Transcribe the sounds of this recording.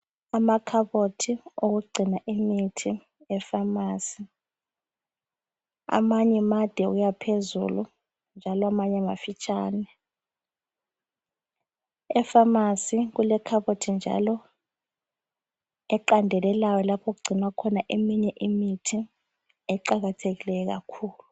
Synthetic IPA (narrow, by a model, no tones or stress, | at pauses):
amakʰaɓotʰiok̬uɡ͡ǀʱinaʔimitʰi | ɛfamaːsi | a̰maɲɛmad̥ʱɛɣujapʰezṵlu | nd͡ʒʱalɔamaɲɛma̰fit͡ʃʰʼaːnɛ | ɛfamasik̬ulɛkʰaɓotʰind͡ʒʱa̰lɔ | ɛǃandʱɛlɛlajɔlapʰok̬uɡ͡ǀʱinakʰɔnaʔemiɲɛʔimitʰi | ɛǃaɣatʰeɣilɛjɛk̬a̰kʰuːlu